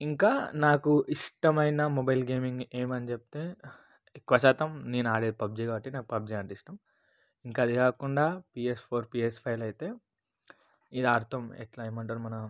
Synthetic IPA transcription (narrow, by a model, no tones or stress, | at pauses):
iŋkaːnaːkuʔiʂʈɐmɐjnɐmobɐjlɡeːmiŋɡe̞ːmɐnit͡ʃep̚t̪e̞ː | kːʋɐsaːt̪ɐmneːnaːɽed̪ipɐb̚d͡ʒiɡaːbɐʈːinaːkupɐb̚d͡ʒiɐɳʈiʂʈɐm | iŋkaːd̪ikaːkuɳɖaːpiːespʰoːɾpiːespʰɐjlɐjt̪e̞ː | id̪aːɾt̪ʰɐmḛʈlɐjmɐɳʈɐɾumɐnɐ